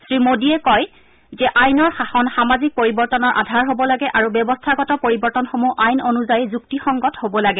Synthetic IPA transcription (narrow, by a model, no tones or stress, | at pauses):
sɹimodiɛkɔj | zɛʔajnɔɹxaxɔnxamazik̚poɹibɔɹtɔnɔɹʔa̰dʱaɹɦobɔlaɡɛʔaɹubjɔbɔstʰaɡɔtɔpoɹibɔɹtɔnxomuʔajnonuzajzuk̚tixɔŋɡɔthobɔlaɡɛ